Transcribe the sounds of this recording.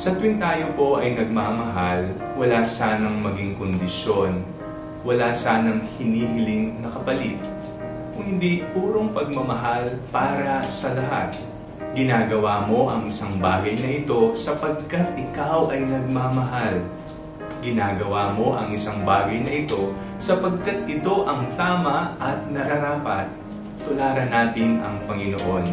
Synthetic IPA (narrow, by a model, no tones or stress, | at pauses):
sɐt̪wɪnt̪aːjopo̞ʔɐjnɐɡ̚maːmɐɦal | wɐlaːsaːnɐŋmɐɡɪŋkond̪ɪʃjo̞n | wɐlaːsaːnɐŋhɪniːhɪlɪŋnɐkɐpɐlɪt̪̚ | kʊŋhɪnd̪ipuːɾo̞ŋpɐɡ̚mɐmɐɦalpaːɾɐsɐlɐɦa̰t̪̚ | ɡɪnaːɡɐwaːmo̞ʔɐŋɪsaŋbaːɡɐjnɐʔɪt̪o̞sɐpɐɡ̚kat̪̚ʔɪkawʔɐjnɐɡ̚mamɐɦal | ɡɪnaːɡɐwaːmo̞ʔɐŋɪsaŋbaːɡɐjnɐʔɪt̪o̞ | sɐpɐɡ̚kat̪̚ʔɪt̪o̞ʔɐŋt̪aːmɐʔɐt̪̚nɐɾɐɾaːpɐt̪̚ː | ʊlaːɾɐnaːt̪ɪnɐŋpɐŋɪnoʔo̞n